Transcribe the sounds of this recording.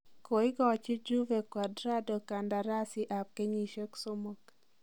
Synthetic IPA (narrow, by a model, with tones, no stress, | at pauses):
ko˨ɪ˦ɡɔ˦˨t͡ʃɪ˦d͡ʒu˦vɛ˨kwa˨dɾa˦do˨ka˨nda˨ɾa˦sɪ˦ʔa˨p̚ke˦ɲi˨ʃe˦kso˦mo˦k